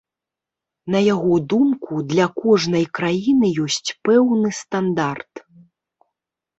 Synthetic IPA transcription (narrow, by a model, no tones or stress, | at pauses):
nɐjaɣɔd̪umkud̪lʲɐkɔʐnɐjkɾajinɨjɔsʲt͡sʲpɛwnɨst̪and̪art̪